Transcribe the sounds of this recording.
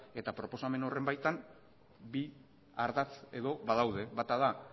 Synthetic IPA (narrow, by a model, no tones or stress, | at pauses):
e̞t̪apɾo̞po̞same̞nore̞mbajt̪am | bi | aɾðat͡se̞ðo̞βaðawð̞e̞βat̪aða